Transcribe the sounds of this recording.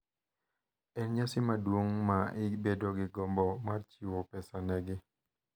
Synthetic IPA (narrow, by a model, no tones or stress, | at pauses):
ɛnɲasɪmadwoŋmaɪbedoɡɪɡɔmbɔmart͡ʃiwɔpɛsanɛɡɪ